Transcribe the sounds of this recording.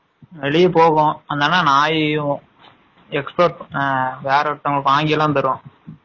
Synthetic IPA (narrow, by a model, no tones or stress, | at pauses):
ʋɛɭɪjɐpoːɣʊ̃ɐnd̪aːnːaːnaːj̃ | ɛkspɐɾʈʋeːɾɐɐt̪ːɐŋɡɐɭɯkːɯaːŋɡɪjɐlãːnt̪ɐɾɯʋõ